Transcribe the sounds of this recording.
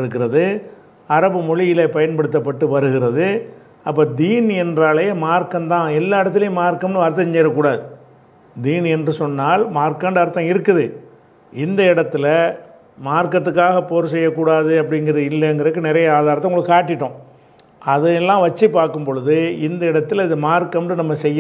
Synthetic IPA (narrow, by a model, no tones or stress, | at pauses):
ɪɾɯkːɪɾɐðɯ | ɐɾɐbɯmɔɻɪjɪlepɐjɐnpɐɽɯt̪ːɐpːɐʈːɯʋɐɾɯɣɪɾɐðɯ | ɐpːɐːd̪iːnɛndraːlɐjeːmaːɾkɐmt̪ãːɛlːaːɪɽɐt̪̬ːɪlɪjemaːɾkɐmnɯɐɾt̪̬ːɐɲt͡ʃɛːɾɐkːuːɽaːðɯ | d̪iːnɛndrɯsɔnːaːlmaːɾkɐːnɖɐɐɾɯt̪ːɐ̃ɪɾɯkːɯðɯ | ɪnd̪ɐɪɽɐt̪ːɪlɐ | maːɾkɐt̪ːɯkːaːɣɐpoːɾsɛjːɐkːuːɽaːðɯɐp̬ːɐɽɪnɡɪɾɐðɯɪlːɐːŋɡɐɾɐkːɯnɪɾɐjɐaːðaːɾɐt̪ːɐʊŋɡɽɭɯkːkaːʈːɪʈːʊ̃ː | ɐðɐlːãːʋɐt͡ʃːipːaːɾkɯmpɔɻɯðɯɪnd̪ɐɪɽɐt̪ːɯlɪðɯmaːɾkɐmnɯnɐmːɐsɛjːɐ̃